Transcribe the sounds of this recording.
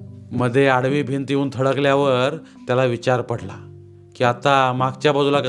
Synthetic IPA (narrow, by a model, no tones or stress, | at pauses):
məd̪ʱːjeaɽʋiːbʱint̪jeuːnt̪ʰəɽəkljaʋəɾ | t̪jalaʋit͡ɕaɾpəɽla̰ | kiːat̪amaɡt͡ɕjabɔd͡zʱulakə